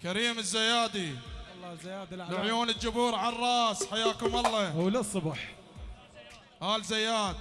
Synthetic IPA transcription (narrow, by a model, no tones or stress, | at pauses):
kaɾiːmɪzːajaːd̪ilˤːajaːd̪lʕjuːnɪld͡ʒʊbuːɾʕarˤɑːsħajaːkʊmʔɑlˤːɑwlɪsˤːʊbħ | haːlzajːaːd̪̚